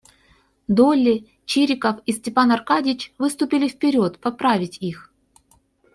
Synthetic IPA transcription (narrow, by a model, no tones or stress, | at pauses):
d̪olʲɪ | t͡ɕiɾʲɪkəfisʲtʲɪpanɐrkadʲɪt͡ɕvɨst̪ʊpʲɪlʲɪfpʲɪɾʲo̞t̪pɐpɾavʲɪtʲix